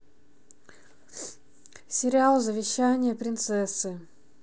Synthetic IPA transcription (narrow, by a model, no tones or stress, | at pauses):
sʲɪɾʲɪalˠzəvʲɪɕːænʲɪjəpɾʲɪnt̪sɛsːɨ